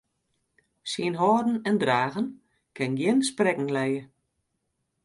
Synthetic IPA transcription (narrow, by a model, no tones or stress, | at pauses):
siənɦɔːdn̩ɛndraːɣən | kʰɪnɡjɪnsprɛkŋ̩lɛjə